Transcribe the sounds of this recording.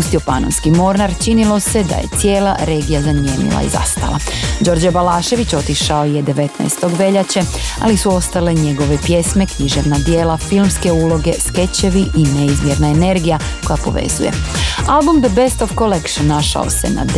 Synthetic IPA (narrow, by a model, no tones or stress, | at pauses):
pust̪ijo̞pano̰nskimo̞ɾnaɾt͡ʃinilˠo̞se̞d̪a̰je̞̰t̪sje̞ːlaɾe̞ːɡijazamjeːnḭlˠa̰ḭza̰st̪a̰lˠa̰d͡ʑo̞ɾd͡ʑabalaːʃe̞ʋit͡ɕo̞t̪iʃaojed̪e̞ʋe̞t̪na̰ːst̪o̞ɡʋe̞ʎat͡ɕe | a̰lisuo̞st̪ale̞ɲe̞ɡo̞ʋe̞pje̞sme̞kɲiʒe̞ʋnad̪jeːlafilmske̞uːlˠo̞ɡe̞ske̞t͡ɕe̞ʋiʔine̞izmjeɾnaene̞ɾɡija | ko̞japo̞̰ʋe̞̰zṵje̞̰albumd̪əbest̪ofkolekʃnːaʃa̰o̰se̞̰na̰d̪